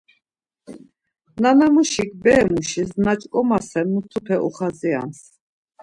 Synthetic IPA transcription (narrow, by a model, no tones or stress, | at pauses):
nanamuʃik̚ʰbɛːmuʃisnat͡ʃʼkʼɔmasɛnmut̪ʰupʰɛʔṵχazia̰ns